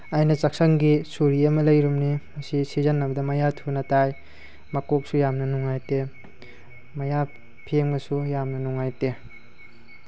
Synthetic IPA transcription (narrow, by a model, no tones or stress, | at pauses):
ajnɐt͡ʃak̚sɐŋɡisuɾiɐmɐlɐjɾumnimɐsisizɐnːɐbɐdɐmɐjatʰunɐtaj | makok̚sujamnɐnuŋajte | mɐja | pʰeŋbɐsujamnɐnuŋajte